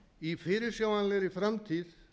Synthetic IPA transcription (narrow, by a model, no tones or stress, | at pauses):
ifɪːɾɪɾsjaːwanlɛɾɪfɾamt̪ʰið